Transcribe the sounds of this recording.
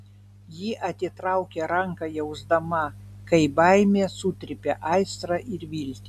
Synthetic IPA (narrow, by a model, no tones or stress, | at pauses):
jiʔɐt̪ʲɪt̪ɾɑʊkʲɛɾɑŋkɐjɛʊʒd̪ɐmɑkɐɪbɑjmʲesut̪ʲɾʲɪpʲɛʔɑɪst̪ɾɐʔɪɾʋʲilʲt̪ʲɪ